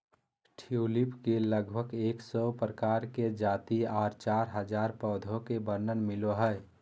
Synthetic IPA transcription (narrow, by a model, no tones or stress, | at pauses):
ʈʰiulipkeləɡbʱəɡeːksɔpɾəkaːɾked͡ʒaːt̪iaːɾt͡ʃaɾɦəd͡ʒaːɾpəːd̪ʱokebəɾnənmiloɦəɛ